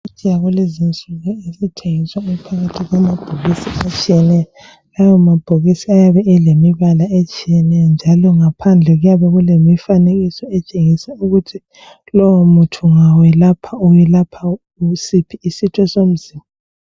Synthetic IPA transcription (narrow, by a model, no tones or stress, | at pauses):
ut͡ʃʼijaɣulezint͡sʼuɣɔesitʰeŋiswaɛpʰaɣatʰiɣwamab̥ʱoɣisiat͡ʃʼijɛnɛjɔ | ɣajwamab̥ʱoɣisiajaβɛʔelemiβalaet͡ʃʼijɛnɛjɔnd͡ʒʱalɔŋapʰand͡ɮʱɛɣujaβɛɣulemifaneɣisɔɛt͡ʃʼeŋisɛuɣutʰi | lɔwomutʰuŋawɛlapʰaujɛlapʰa | usipʰiːsitʰwɛsom̩ziːma